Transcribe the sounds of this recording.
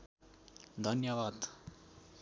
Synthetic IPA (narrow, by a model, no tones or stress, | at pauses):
d̪ʱʌnjʌʋaːd̪